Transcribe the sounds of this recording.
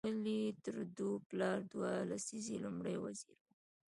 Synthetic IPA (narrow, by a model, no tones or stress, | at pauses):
əlit̪əɾd̪uplɑɾd̪walasizilʊmɽəjwaziɾwu